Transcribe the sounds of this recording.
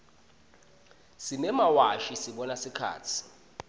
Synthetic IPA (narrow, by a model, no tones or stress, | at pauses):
simɛmawaʃisiɓɔnasikʰa̰ːt͡sʰi̥